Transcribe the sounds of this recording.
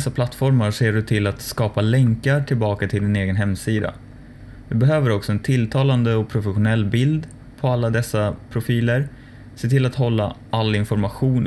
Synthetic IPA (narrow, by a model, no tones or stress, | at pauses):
sːapʰlat̪fɔɾmaʂeːɖɵt̪ʰɪlːat̪skɑːpalɛŋkaʈʰɪlbɑːkat̪ʰɪld̪ɪneːɡənɦɛmːsiːd̪a̰ | d̪ɵbɛɦøːvəɾɔksɔɛnt̪ʰɪlːt̪ʰɑːland̪əɔpʰɾʊfɛɧʊnɛlːbɪld̪ | pʰɔalːad̪ɛsːapʰɾʊfiːləɾ | seːt̪ʰɪlːat̪ɦɔlːa̰alːɪnfɔɾmaɧuːn